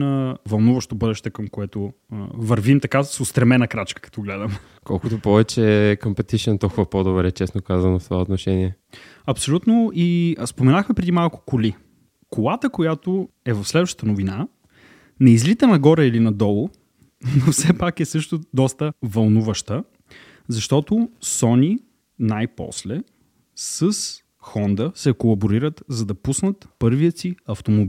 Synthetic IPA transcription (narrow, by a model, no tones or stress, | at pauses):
nɐvɐlˠnuvɐʃt̪obɤd̪ɛʃt̪ɛkəmkoɛt̪o | vɐɾvimt̪ɐkasost̪ɾɛmɛnɐkɾat͡ʃkə̥kɐ̥t̪ɔɡlɛd̪əm | kɔlˠkʊt̪opɔvɛt͡ʃɛkompɛt̪iʃɛnt̪ɔlˠkʊvɐpɔd̪obɾɛt͡ʃɛsnokazənoft̪ovaot̪noʃɛniɛ | ɐpsolʲut̪noispomɛnaxmɛpɾɛd̪imalˠkʊ̥kʊli | kolˠat̪əkojat̪o | ɛvɐfslɛd̪vəʃt̪t̪ənovina | nɛizlit̪ənɐɡɔɾɛilinɐd̪ɔlˠo | nofsɛpakɛsɤʃt̪ʊd̪ɔst̪əvɐlˠnuvəʃt̪ə | zɐʃt̪ɔt̪ʊsɔnʲi | najpɔ̰slɛ | səs | xɔnd̪əsɛkolˠɐboɾiɾət̪zɐd̪ɐpusnət̪pɤɾvijəsiɐft̪omobi